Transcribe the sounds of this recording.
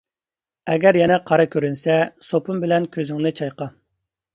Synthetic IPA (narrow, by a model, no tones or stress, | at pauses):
ɛɡʲɛɾjɛnɛqʰɑɾɑkʲʰøɾynsɛsopumbɪlɛnkʲʰøzɪŋnɪt͡ʃʰɑjqɑ